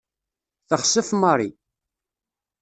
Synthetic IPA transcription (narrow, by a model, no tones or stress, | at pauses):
θəχsəfməɾˤi